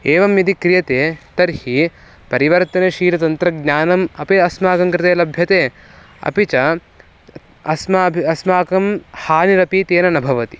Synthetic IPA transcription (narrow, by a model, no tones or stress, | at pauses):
eːʋɐmjɐd̪ikɾijɐt̪eːt̪ɐɾhi | pɐɾiʋɐɾt̪ɐneʃiːɾɐt̪ɐnt̪ɾɐɡɲaːnɐmɐpiɐsmaːkɐmkɾɪt̪eːlɐbʱjɐt̪eː | ɐ̰pit͡ʃɐ | ɐsmɐbʱiɐsmaːkɐmhaːniɾɐpit̪eːnɐnɐbʱɐʋɐt̪i̥